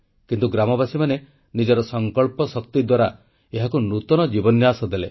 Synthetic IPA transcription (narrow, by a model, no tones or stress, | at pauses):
kint̪uɡɾamɔbasimane | nid͡ʒɔɾɔsɔŋkɔɭpɔsɔkt̪id̪waɾa | eɦakunut̪ɔnɔd͡ʒibɔnjasɔd̪ele